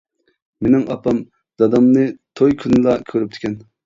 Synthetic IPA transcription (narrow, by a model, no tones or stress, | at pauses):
menɪŋʔɑpɑm | d̪̥ɑd̪ɑmnɨt̪ʰojkʲʰynɨlˠɑkʲʰøɾyp̚t̪ʰɪ̥kʲʰɛn